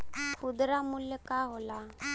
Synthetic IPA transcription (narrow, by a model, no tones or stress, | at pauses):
kʰud̪ɾamuljəkaɦola